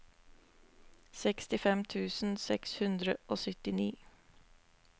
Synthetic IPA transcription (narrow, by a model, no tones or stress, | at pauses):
sɛkst̪ɪfɛmt̪ʰʉːsn̩sɛkshʉnd̪ɾəʔoːsʏt̪ɪniː